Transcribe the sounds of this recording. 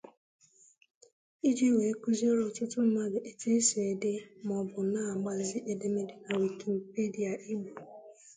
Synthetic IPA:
i˦d͡ʒi˦we˨e˦ku˦zi˦ɔ˦ɾɔ˨tʊ˦tʊ˦m̩˦ma˦ɡɪ˨ʔe˨te˦se˨e˨de˦m˨ɔ˨bʊ˨na˦a˨ɡ͡ba˨zɪ˦ʔe˨de˦me˦dɪ˨ka˨we˨ki˨m̩˨pe˦di˨a˨ʔi˦ɡ͡bu˨

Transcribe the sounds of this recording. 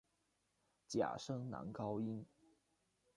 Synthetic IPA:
t͡ɕja̰˨˩ʂɤ˥ŋna̰˧˥nkɑ˥ʊi˥n

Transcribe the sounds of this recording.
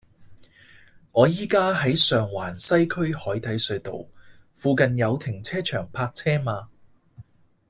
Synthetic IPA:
ŋɔː˨˧jiː˥kaː˥ɦɐ˨˥jsœː˨ŋwaː˨˩nsɐ˥jkʰɵ˥ɥhɔː˨˥jt̪ɐ˨˥jsɵ˨˧ɥt̪o̰˨w | fuː˨˧kɐ˨njɐ˨˧wt̪ʰɪ˨˩ŋt͡sʰɛː˥t͡ʃʰœː˨˩ŋpʰaː˧k̚t͡sʰɛː˥maː˧

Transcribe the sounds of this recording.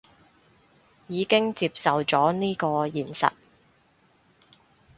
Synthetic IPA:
jiː˨˧kɪ˥ŋt͡siː˧p̚sɐ˨wt͡sɔː˨˥niː˥kɔː˧jiː˨nsɐ̰˨t̚

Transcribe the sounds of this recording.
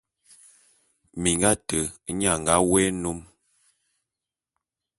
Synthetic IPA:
mi˨ŋɡa˦tə˨˦ɲa˨ŋ˨ɡa˦wɛ˦nu˦m

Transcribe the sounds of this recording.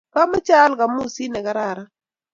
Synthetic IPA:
ka˦mə˦t͡ʃa˦lka˨mu˦˨si˦nɛ˨ka˦ɾa˦˨ɾa˦

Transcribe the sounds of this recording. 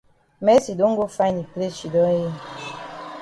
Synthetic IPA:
mɛ˦si˨do˨˦ŋ̩˦ɡo˦fa˦i˦ni˨ple˦t͡ʃi˨dɔ˦je˦

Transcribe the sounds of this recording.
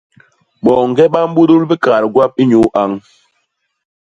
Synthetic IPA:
ɓɔ˨ŋ˨ɡɛ˦ɓa˦m˦bu˦du˦lbi˦ka˨ɾɡwa˦p̚i˦ɲu˨˦ʔa˦ŋ

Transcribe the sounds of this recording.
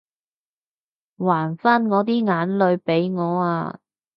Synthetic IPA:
waː˨˩nfaː˥nŋɔː˨˧t̪̬iː˥ŋaː˨˥nlɵ˨˧ɥpe˨˥jŋɔː˨˧aː˧

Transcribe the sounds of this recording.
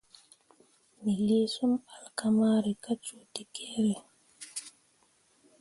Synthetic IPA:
mi˨le˦su˦ma˨lkama˦ɾi˨ka˦t͡ʃo˨ti˨kʰe˦ɾɛ˨

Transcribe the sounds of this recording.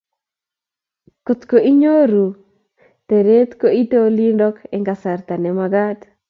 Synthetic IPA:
ko˨t̪ko˨i˦ɲo˦ɾu˨ | te˨ɾe˦t̪ko˦i˦to˦li˦ndɔ˦kɛ˦ŋɡa˨sa˨rt̪a˨nɛ˨maɡa˦d

